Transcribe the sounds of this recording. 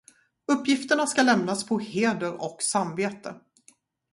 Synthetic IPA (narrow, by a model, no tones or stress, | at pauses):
ɵpːjɪft̪əɳaskalɛmnaspʰɔheːd̪əɾɔksamveːt̪ə